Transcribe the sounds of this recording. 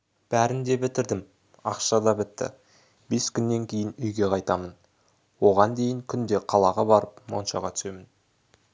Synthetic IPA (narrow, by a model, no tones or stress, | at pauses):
b̥æɾɪnd̪e̞bɪt̪ɪɾd̪ɪm | ɑqʃɑd̪ɑbɪt̪ːɪ̰ | be̞skʲʏnːe̞ŋkʲʰe̞jɪnʏjɡʲe̞qʰɑjt̪ɑmən | wo̞ʁɑnd̪e̞jɪŋkʲʰʏnd̪e̞qʰɑlˠɑʁɑbɑɾəpmo̞̰nʃɑʁɑt̪ʰʏ̥se̞mɪn